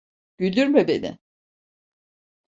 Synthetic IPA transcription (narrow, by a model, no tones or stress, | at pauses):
ɟ̥ylʲd̪yɾmɛbe̞̰nɪ̰